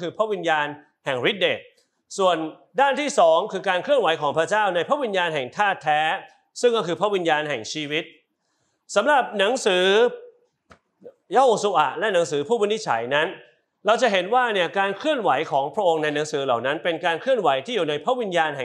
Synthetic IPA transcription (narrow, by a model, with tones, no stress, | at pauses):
kʰɯː˧pʰɾa˦˥wi˧njaː˧n | hɛ˨˩ŋɾi˦˥t̪̚deː˨˩k̚ | su˨˩ən | daː˥˩nt̪ʰiː˥˩sɔː˩˦ŋkʰɯː˧kaː˧nkʰlɯ˥˩ənwa˩˦jkʰɔː˩˦ŋpʰɾa˥t͡ɕaː˥˩wna˧jpʰɾa˦˥ʔwi˧njaː˧nɦɛ˨˩ŋt̪ʰaː˥˩t̪ʰːɛː˦˥ | sɯ˥˩ŋkɔː˥˩kʰɯː˧pʰɾa˦˥ʔwi˧njaː˧nɦɛ˨˩ŋt͡ɕʰiː˧wi˦˥t̪̚ | sa˩˦mɾa˨˩p̚na˩˦ŋsɯː˩˦ | ja˦˥hoː˧su˧ʔa̰˨˩ʔlɛ˦˥na˩˦ŋsɯː˩˦pʰuː˥˩a˧ni˦˥t̪̚t͡ɕʰa̰˨˩˦jna˦˥n | ɾa˧wt͡ɕa˨˩ɦe˩˦nwaː˥˩ni˥˩əkaː˧nkʰɾɯ˥˩ənwa˩˦jkʰɔː˩˦ŋpʰɾa˦˥ʔo˧ŋna˧jna˩˦ŋsɯː˩˦la˨˩wna˦˥npe˧nkaː˧nkʰlɯ˥˩ənwa˩˦jt̪ʰiː˥˩juː˨˩na˧jpʰɾa˦˥wi˧njaː˧nhɛ˨˩